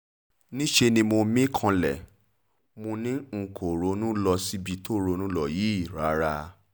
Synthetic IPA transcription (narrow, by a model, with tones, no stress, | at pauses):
nĩ˦ʃe˧nĩ˧mo˧mĩ˦kʰã˧lɛ˨ | mo˧nĩ˦ŋ̩˨˧˨kʰo˨ɾo˨˦nũ˦lɔ˧si˦bi˧to˦ɾo˧˦˧nũ˦lɔ˦˨ji˨˦i˦˨ɾa˨˦ɾa˧